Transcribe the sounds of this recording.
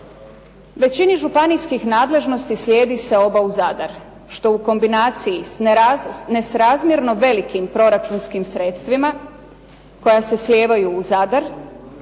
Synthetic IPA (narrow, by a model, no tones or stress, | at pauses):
ʋe̞t͡ɕiniʒupanijskixnaːd̪le̞ʒno̞st̪islʲje̞ːd̪ise̞o̞bauzad̪aɾ | ʃt̪o̞uko̞mbinaːt̪sijianesɾazmjeɾno̞ʋe̞likimpɾo̞ɾat͡ʃunskimsɾe̞t̪st̪ʋima | ko̞jase̞slʲe̞ːʋajuːzad̪aɾ